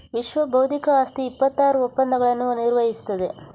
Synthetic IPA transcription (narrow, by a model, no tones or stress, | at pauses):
ʋiʃʋɐbɐwd̪ʱikɐaːst̪iːpːɐt̪ːaːɾuopːɐnd̪ɐɡɐɭɐnːuniɾʋɐɦisu̥t̪ːɐd̪e